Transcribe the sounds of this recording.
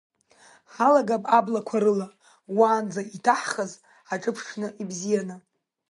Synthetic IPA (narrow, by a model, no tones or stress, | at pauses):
ħalaɡapʼablakʷʰaɾɨla | waːnd͡zaitʰaħχaz | aʈ͡ʂʼɨpʰʂnɨʔibzijanɨ